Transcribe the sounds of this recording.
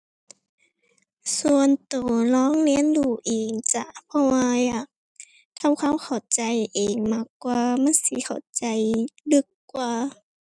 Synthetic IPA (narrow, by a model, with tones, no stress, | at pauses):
su˧˨ənt̪oː˨˩lɔː˧˥˨ŋnɛ˧˥˨nduː˧˩ʔeː˨˩ŋt͡ɕa̰˧˩pʰɔ˧waː˧jaː˨˩k̚ | t̪ʰa˧˨wkʰa˧˥˨wkʰa˨˩wt͡ɕa˨˩jʔeː˨˩ŋmaː˧˩kːwaː˧ma˧˥˨nsi˧˦kʰa˨˩wt͡ɕa˨jlɯ˧˦kːwaː˧